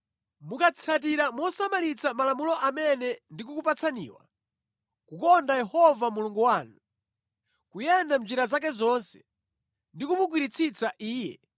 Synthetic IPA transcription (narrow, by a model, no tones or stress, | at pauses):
mukat͡sʰat̬iɾamuɔsamalit͡sʰamalamulɔʔamɛnɛndikukupat͡sʰanḭːwa̰ | kukɔndajɛhɔvamuluŋɡuwaːnu | kujɛndam̩d͡ʒiɾazak̬ɛzɔnsɛ̥ | ndikumuk̬wiɾit͡sʰit͡saʔiːjɛ̰